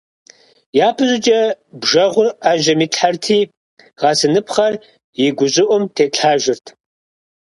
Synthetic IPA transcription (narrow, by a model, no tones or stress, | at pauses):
jaːpʰɨʑɪd͡ʒʼɐbʒɐʁʷʊraːʒɐmiːtʼħartʰiː | ʁɑːsɨnɨpʰχɐr | jɪɡʷʊʑɪʔʷʊmtʰeːtʰħaːʒɪrtʰ